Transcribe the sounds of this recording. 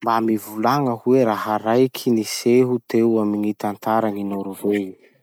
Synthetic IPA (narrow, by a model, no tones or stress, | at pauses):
mbamivulaŋəhueɾaɦaɾajkʰiniseɦut̪ewaminit̪ant̪aɾaŋinoɾuve